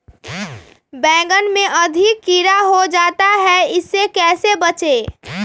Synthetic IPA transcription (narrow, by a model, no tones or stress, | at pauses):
bɛ̃ːɡənmẽʔəd̪ʱɪkːiɾaɦod͡ʒaːt̪aɦɛɪsːekɛːsebət͡ʃe